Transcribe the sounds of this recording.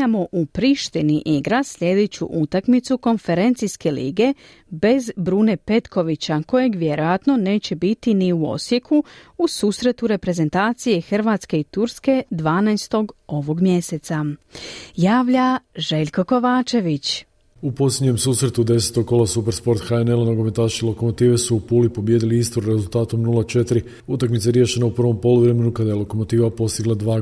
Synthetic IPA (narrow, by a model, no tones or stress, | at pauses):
amo̞ʔupɾiʃt̪iniʔiɡɾasʎʲe̞d̪e̞t͡ɕṵʔut̪akmit̪suko̞nfe̞ɾe̞nt̪sijske̞lḭːɡe̞ | be̞zbɾune̞pe̞t̪ko̞ʋit͡ɕako̞je̞ɡʋje̞ɾo̞jat̪no̞ne̞ːt͡ɕe̞bit̪iniuo̞̰sje̞kʰuusuːsɾe̞t̪uɾe̞pɾe̞ze̞nt̪aːt̪sije̞xr̩ʋaːt̪ske̞it̪uɾske̞d̪ʋaːnajst̪o̞ɡo̞ʋo̞ɡmje̞set̪sa | jaːʋʎaʒe̞ʎʲko̞ko̞ʋaːt͡ʃe̞ʋit͡ɕ | upo̞sjed̪ɲe̞msuːsɾe̞t̪ud̪e̞set̪o̞ɡ̚ko̞lasupeɾspo̞ɾt̪xaenelanoɡomet̪aːʃiilˠo̞komot̪iːʋesuːpuːlipobjed̪iliist̪oɾɾe̞zulˠt̪aːt̪o̞mnulat͡ʃe̞t̪iɾi | ut̪akmit̪seaeɾje̞ʃe̞naupr̩ʋo̞mpo̞luʋɾeme̞nukad̪ajelˠo̞komo̞t̪iːʋapo̞st̪iɡlˠad̪ʋaː